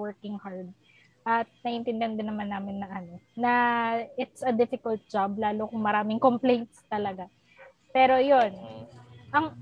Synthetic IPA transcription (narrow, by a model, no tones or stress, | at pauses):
wɛɹkɪŋhaɹd̪̚ | ʔɐt̪̚nɐʔɪnt̪ɪnd̪ɪɐnd̪ɛnɐmanːaːmɪnːɐŋʔɐno̞nɐʔɪt̪sɐd̪ɪfɪkɐlt̪̚d͡ʒab̚laːlokʊŋmɐɾaːmɪŋkomplejnt̪st̪ɐlɐɡa | pɛːɾo̞jonʔɐŋ